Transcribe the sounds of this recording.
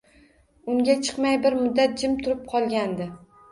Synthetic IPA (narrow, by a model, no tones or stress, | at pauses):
ʊŋɡʲat͡ʃʰɨ̥qmajbɪɾmʊd̪ːat̪̚d͡ʒɪmt̪ʰʊɾɪp̚qʰɒlˠɡʲand̪ɪ